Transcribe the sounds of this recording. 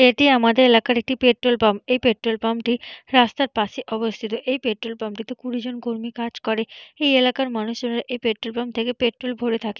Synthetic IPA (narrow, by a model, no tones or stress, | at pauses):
eʈiamad̪eɾelakaɾek̚ʈipeʈɾolpamejpeʈɾolpamʈiɾast̪aɾpaʃeʔɔbost̪ʰit̪oʔejpeʈɾolpamʈit̪okuɽid͡ʑonkoɾmikad͡ʑkɔɾeejelakaɾmanuʃd͡ʑonɾaʔejpeʈɾolpamt̪ʰekepeʈɾolbʱoɽet̪ʰake